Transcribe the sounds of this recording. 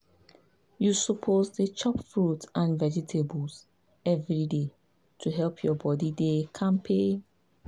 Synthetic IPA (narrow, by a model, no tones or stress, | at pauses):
jusupʰozdət͡ʃɔpfɹutãnvɛd͡ʒitʰebls | ɛvɹide | tʰuɦɛlpʰjɔbɔdidekʰãmpʰe